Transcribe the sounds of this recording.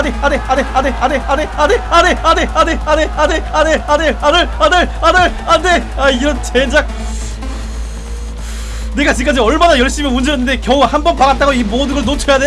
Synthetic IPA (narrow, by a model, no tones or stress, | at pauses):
neaneaneaneaneane̞aneane̞ane̞ane̞ane̞aneaneaneaneaneane | aneaiɾʌnt͡ɕʰend͡ʑak̚ | ne̞ɡat͡ɕik͈ad͡ʑeʌɭmanajʌɭɕ͈imjʌnund͡ʑejʌnːɯnd̪e̞kjʌahambʌnpaɡat̚t͈aɡoimodɯɡʌɭnot͡ɕʰʌjade